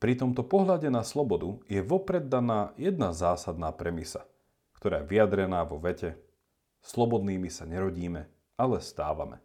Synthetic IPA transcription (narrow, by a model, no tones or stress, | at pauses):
pɾit̪ɔmt̪ɔpɔɦʎaɟɛnaslˠɔbɔd̪ujɛʋɔpɾɛd̪ːanaːjɛd̪̚nazaːsad̪naːpɾɛmisa | kt̪ɔɾa̰ːjɛʋiad̪ɾɛnaːʋɔʋɛcɛ | slɔbɔd̪niːmisaɲɛɾɔɟiːmɛ | alɛst̪a̰ːʋa̰mɛ̰